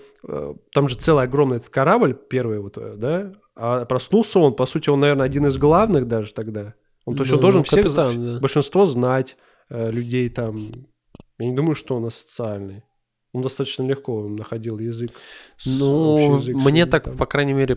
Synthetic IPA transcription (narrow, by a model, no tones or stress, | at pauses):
ə̰t̪amʐɨt̪sɛlˠɨjɐɡɾo̞mnɨjɛt̪ə̥t̪̚kɐɾablʲpʲe̞rvɨjvo̞t̪d̪a | apɾɐsnulˠsʲəo̞npɐsutʲɪonːɐvernəɐdʲinɨzɡlˠavnɨxd̪aʐɨt̪ɐɡd̪a | ont̪os̬ʲond̪olˠʐɨnfssead̪abəlʲʂɨnst̪vo̞znatʲ | əlʲʉdʲejt̪am | janʲɪd̪uməjʊʂt̪oonɐsə̥t̪sɨalʲnɨj | ond̪ɐst̪at̪ət͡ɕnəlʲɪxko̞nnəxɐdʲilˠjɪzɨksnuɪzɨkmnʲet̪akpɐkɾajnʲɪmʲeɾʲɪ